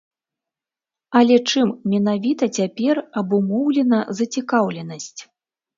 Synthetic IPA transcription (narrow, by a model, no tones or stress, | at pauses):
ɐlʲɛt͡ʂɨmmʲɛn̪avʲit̪ɐt͡sʲapʲɛrɐbumɔwlʲɛnɐzɐt͡sʲikawlʲɛnɐsʲt͡sʲ